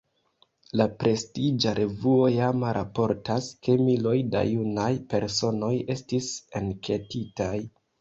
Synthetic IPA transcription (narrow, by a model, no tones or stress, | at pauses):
lapɾe̞stid͡ʒaɾʔe̞vuo̞jamaɾapo̞ɾtaske̞milo̞jda̰junajpe̞ɾso̞no̞je̞stisenke̞titaj